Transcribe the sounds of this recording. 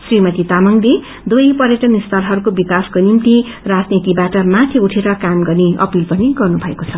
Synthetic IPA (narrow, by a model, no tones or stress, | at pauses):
srimʌt̪it̪amʌŋle | d̪ujpʌɾjʌʈʌnist̪ʌɾɦʌɾukobikaskonimt̪i | rad͡znit̪ibaʈʌmat̪ʰiuʈʰeɾʌkamɡʌrneʔʌ̰pilpʌniɡʌrnubʱʌekot͡sʰʌ